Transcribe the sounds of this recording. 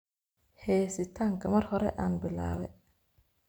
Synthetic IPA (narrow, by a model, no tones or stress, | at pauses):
hɛːsɪt̪ʰaːŋkʰɐmɐrhɔɾɛ̰ʔaːnbɪla̰ːβɛj